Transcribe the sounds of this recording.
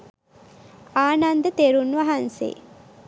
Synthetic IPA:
aːnand̪ət̪eɾunʋɐɦansḛː

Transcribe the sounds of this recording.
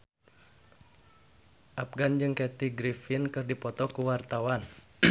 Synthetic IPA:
ʔap̚ɡand͡ʒɨŋkɛt̪iɡɾifinkɨrdipɔt̪ɔkuwart̪awan

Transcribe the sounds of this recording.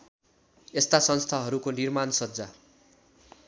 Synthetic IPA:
est̪asʌnst̪ʰaɦʌɾukonirmansʌd͡za

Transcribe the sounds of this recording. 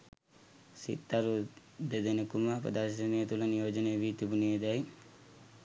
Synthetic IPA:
sḭt̪ːaɾu | d̪ed̪enɐkumapɐ̰d̪asɐniɐt̪ulɐnjoːd͡ʒɐneʋit̪ibunied̪aj

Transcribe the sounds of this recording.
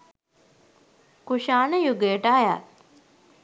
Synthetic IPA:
kuʃaːnəjuɡejʈaaja̰ː

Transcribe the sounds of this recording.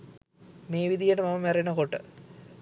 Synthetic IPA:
meːʋid̪ijəʈəmamɐmæɾenəkoʈːə̰

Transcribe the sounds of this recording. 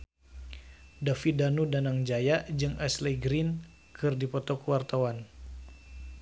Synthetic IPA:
dafidanudanaŋd͡ʒajaʔd͡ʒɨŋʔɛslɛɡɾin | kʰɨrdipɔt̪ɔkuwart̪awan

